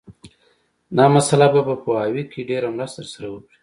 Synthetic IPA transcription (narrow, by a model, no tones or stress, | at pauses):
nɑmasalababapəɑwikʰeɖeɾamɾast̪t̪əɾsaɾawəkɽi̥